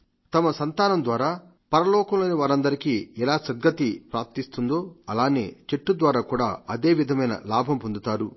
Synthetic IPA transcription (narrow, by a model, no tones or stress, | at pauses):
t̪ɐmɐsɐnt̪aːnɐmd̪ʋaːɾaː | pɐɾɐlɔːkɐmloːniʋaːɾɐnd̪ɐɾikiːɛlaːsɐd̪̚ɡɐt̪ipɾaːɾp̚t̪ist̪und̪o̞ːɐlaːneːt͡ʃeʈːud̪ʋaːɾaːkuːɽa̰ːɐd̪e̞ːʋid̪ʱɐmɐjnɐ̰laːbʱɐmpond̪ut̪aːɾu